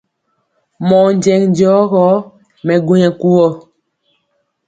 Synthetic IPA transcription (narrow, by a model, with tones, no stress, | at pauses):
mɔ˨n˨d͡ʒɛ˨ŋnd͡ʒɔː˨˦ɣɔː˨˦ | mɛ˨ɡu˦ɲɛ˨ku˦wɔ˦˨